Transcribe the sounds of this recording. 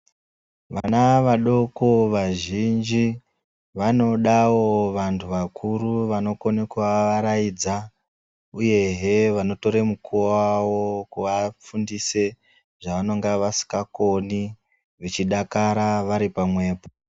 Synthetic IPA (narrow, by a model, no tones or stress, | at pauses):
ʋanaʋaɗo̞ko̞ʋaʒind͡ʒi | ʋano̞ɗawo̞ʋantʰuʋakʰuruʋano̞konekuʋaʋaɾaid͡za | uje̞ɦeʋano̞to̞ɾemukʰuwawokuʋafundise̞ | ʐ̥aʋano̞ŋɡaʋasi̥kakoni | ʐit͡ʃiɗakaɾaʋaɾipamwe̞ːpo